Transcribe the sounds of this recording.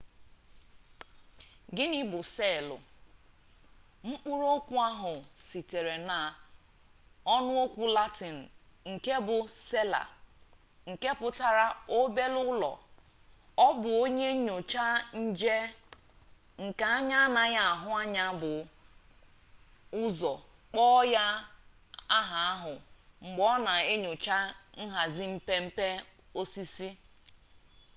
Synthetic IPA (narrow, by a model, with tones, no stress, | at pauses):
ɡɪ˦nɪ˦bʊ˨se˦˨lʊ̰˨ | ŋ͡m̩˦k͡pu˦ɾo˦kʷu˦a˦ɦʊ˨si˨te˨ɾe˨na˨ | ɔ˦nʊ˦o˦kʷu˨la˦ti˨n̩˨ | ŋ̩˨ke˦bʊ˨se˦la̰˨ | ŋ̩˨ke˦pʊ˨ta˦ɾa˦o˦be˦lʊ˦lɔ̰˨ | ɔ˦bʊ˨o˦ɲe˦ɲo˨t͡ʃa˦n̩˦d͡ʒe˦ | ŋ̩˨ka˨a˦ɲa˦a˦na˨ɣa˦a˨ɦʊ˦a˦ɲa˦bʊ˨ | ʊ˦zɔ˨ | k͡pɔ˦ja˦ | a˦ɦa˨a˦ɦʊ˨ŋ͡m̩˨ɡ͡bɔ˦na˨e˦ɲo˨t͡ʃa˦n̩˦ɦa˨zi˦m̩˦pe˦m̩˦pe˦ | o˦si˦si˦